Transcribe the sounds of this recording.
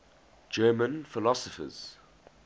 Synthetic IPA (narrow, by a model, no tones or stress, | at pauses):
d͡ʒɜːmə̃nfɪlɔsɔfə̰z̥